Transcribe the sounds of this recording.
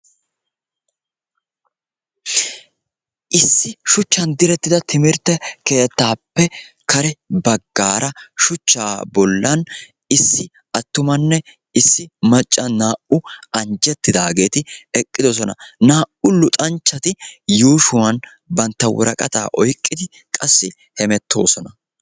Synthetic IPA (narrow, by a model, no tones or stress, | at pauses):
ʔɪsːɪʃʊt͡ʃːɐnd̪ɪɾɛt̪ːɪd̪ɐt̪ʰɪmɪɾt̪ːɛke̞ːt̪ːaːpːɛ | kɐɾɛbɐɡːaːɾɐʃʊt͡ʃːaːbɔlːɐn | ɪsːɪ | ʔɐt̪ːʊmɐnːɛ | ɪsːɪmɐt͡ʃʼːɐnaːʔʊɐnd͡ʒɛt̪ːɪd̪aːɡe̞ːt̪ɪɛkʼːɪd̪ɔs̬ɔnɐ̰naːʔʊlʊt̪ʼɐnt͡ʃːɐt̪ɪjuːʃʊwɐn | bɐnt̪ːɐwɔ̰ɾɐ̰kʼɐt̪a̰ːʔɔjkʼːɪd̪ɪ | kʼɐsːɪ | hɛmɛt̪ːo̞ːsɔnɐ